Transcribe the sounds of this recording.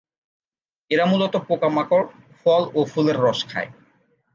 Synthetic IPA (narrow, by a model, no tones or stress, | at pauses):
eɾamulot̪opokamakoɾ | fɔlofuleɾːɔʃkʰa̰e